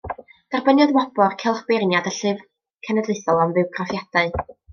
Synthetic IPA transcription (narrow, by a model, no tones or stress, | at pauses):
d̥arbənjɔðwabɔrkʰɛlˠχbernjadəɬɨv | kʰənɛdleɨθɔlˠamvɨwɡrɔfjad̥aɨ